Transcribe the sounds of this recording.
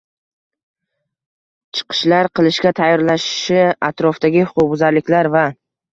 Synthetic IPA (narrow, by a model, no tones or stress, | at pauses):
t͡ʃʰɨ̥qʰɨ̥ʃlaɾqʰɨlˠɪʃkʲat̪ʰajːɒɾlaʃɪ̥ʃɪat̪ɾɒfd̪aɡʲɪhʊ̥qʊq̚bʊzaɾlɪkʲlaɾva